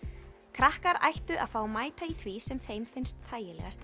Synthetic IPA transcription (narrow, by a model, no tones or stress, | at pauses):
kʰɾahkaɾa̰jht̪ʏʔa̰ðfaːwmaːjt̪aiθvisɛmθejmfɪjnst̪θaːjɪlɛ̰ɣast̪